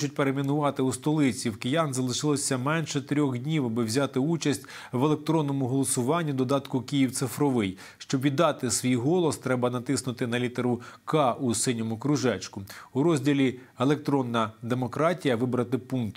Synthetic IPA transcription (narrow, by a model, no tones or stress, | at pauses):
t͡ʃʊt̚ʲpeɾemʲinʊʋɑt̪ɪust̪ɔlˠɪt͡sʲiwkɪjɑnzɐlˠɪʃɪlˠɔsʲɐmɛnʃɛt̪ɾʲɔxdʲnʲiwɐbɪwzʲat̪ɪut͡ʃɐsʲtʲ | ʋelˠek̚t̪ɾɔnːɔmʊɦɔlˠɔsʊʋɑnʲːid̪ɔd̪ɑt̪kʊkijiwt̪sɪfɾɔʋɪj | ʃt͡ʃɔbʋʲid̪ɑt̪ɪsʋʲijɦɔlˠɔst̪ɾɛbɐnɐt̪ɪsnʊt̪ɪnɐlʲit̪eɾʊkɑʔusɪnʲɔmʊkɾʊʒɛt͡ʃkʊuɾɔzʲdʲilʲielˠek̚t̪ɾɔnːɐd̪e̞mɔkɾɑtʲijɐʋɪbɾɐt̪ɪpunkt̪